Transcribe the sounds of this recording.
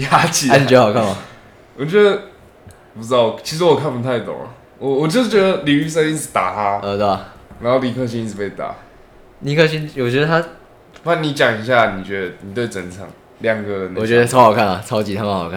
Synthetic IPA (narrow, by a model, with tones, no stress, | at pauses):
ja˥t͡ɕi˨˩˥ɛ˧˥ə˨˩kʰa˥˩na˨˩ | wɔ˨˩t͡ɕɥɛ˧˥d̪ə˧˩ | pu˦t͡s̩˧t̪ɑ˥˩t͡ɕʰi˧˥ʂ̬̩˧wɔ˨˩kʰa˥˩npu˧t̪ʰa˥˩ɪt̪ʊ̰˨˩ŋə̰˩ | wɔ˨wɔ˨˩t͡ɕɛ˥s̩˥˩t͡ɕɥɛ˧˥d̪ə˧li˨y˥s̬ə˥˧ni˥˩t͡sʰɨ˨˩t̪a̰˨˩t̪ʰa˦ə˧t̪na˧˦ŋxo˥˩li˨˩kʰɤ˥˧˩ɕ̬ĩ˧˦ni˥˩t͡s̩ʰ˨˩pe˥˩ɪt̪a̰˨˩˦ | li˨˩kʰɤ˥˩ɕi˥˦nwɔ˨˩t͡ɕɥɛ˧˥d̪ə˧t̪ʰa˥ | pa˥˩nni˧˥t͡ɕja˨˩ŋi˧˥ɕ̬ja˥˩ni˨˩t͡ɕɥɛ˧˥d̪ə˧ni˨˩t̪we˥˩ɪt͡sə˧˦nt͡sʰɑ˨˩ŋ | ljɑ˥˧ŋkɤ˧˥ə˨˦n˨ɔ˨˩ɥɛ˧˥˦d̪ə˧t͡sʰxɑ˨˩ʊkʰa˥˩na˨˩t͡sʰɑ˥ʊt͡ɕi˧˥t̪ʰa˥˧˩xʊkʰa˥˩